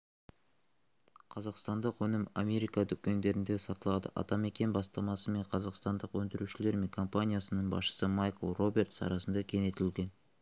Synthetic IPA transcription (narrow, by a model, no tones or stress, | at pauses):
qʰɑzɑqst̪ɑnd̪əqwɵnɪma̰me̞ɾijkɑt̪ʏkʲːe̞nd̪e̞ɾɪnd̪e̞sɑt̪əlˠɑd̪ə̰ʔɑ̰t̪ɑme̞kʲe̞nbɑst̪ɑmɑsəme̞ɴqʰɑzɑqst̪ɑnd̪əqwɵnd̪ɪɾuʃɪle̞ɾme̞ŋkʰo̞mpanʲijasənəɴbɑ̰sʃə̥səmajkəlˠro̞be̞rt̪sɑ̰ɾɑsənd̪ɑkʲʰe̞ne̞t̪ɪlɡʲe̞n